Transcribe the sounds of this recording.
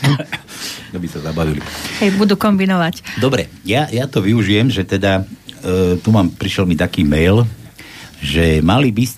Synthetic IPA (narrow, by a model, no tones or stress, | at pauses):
d̪abisazabaʋilḭhɛjbud̪ukɔmbinɔʋacd̪ɔbɾɛ | jajat̪ɔʋiuʒijɛmʒɛt̪ɛd̪a | t̪umaːmpɾiʃɛlmit̪akiːmɛjl | ʒɛmalibis